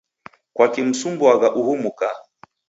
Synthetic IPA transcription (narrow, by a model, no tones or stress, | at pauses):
kwakim̩sumbuaɣaʔuhumuka